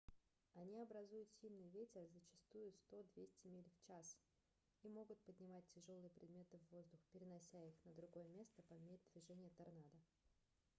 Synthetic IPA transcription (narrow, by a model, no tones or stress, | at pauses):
ɐnʲiɐbɾɐzujʊt̪sʲilʲnɨjvʲetʲɪrzət͡ɕɪ̥st̪ujʊst̪o̞d̪vʲesʲtʲɪmʲelʲft͡ɕas | imo̞ɡʊt̪̚pədʲnʲɪmat̚ʲtʲːɪʐo̞lˠɨjəpɾʲɪd̪mʲe̞t̪ɨvːo̞zd̪ʊxpʲɪɾʲɪnɐsʲæixnəd̪ɾʊɡo̞jəmʲe̞st̪əpɐmʲeɾʲɪd̪vʲɪʐɛnʲɪjət̪ɐrnad̪ə